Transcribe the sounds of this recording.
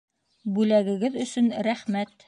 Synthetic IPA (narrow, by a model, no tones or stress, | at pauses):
bʉlæɡɘ̆ɡɘðɵ̆sɵnɾæχmæt̪